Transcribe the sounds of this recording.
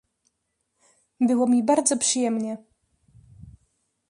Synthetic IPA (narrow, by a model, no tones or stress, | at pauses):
bɘwɔmʲibaɾd̪zɔpʂɘjɛmɲɛ